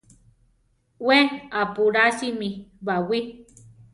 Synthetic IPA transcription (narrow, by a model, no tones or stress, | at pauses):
weapuɾasimiβawi